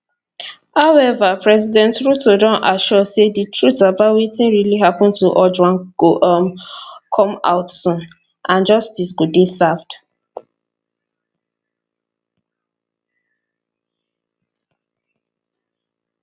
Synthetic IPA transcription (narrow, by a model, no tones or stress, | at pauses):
haʊɛvapɹɛzidɛ̃ntɹutodɔ̃nʔaʃɔseditɹutabawetĩnɹiliɦapɔ̃ntuʔɔd͡ʒwãnɡ̥oʔmkʰɔ̃ma̰ʊtsũn | ʔãnd͡ʒɔstisɡodesafd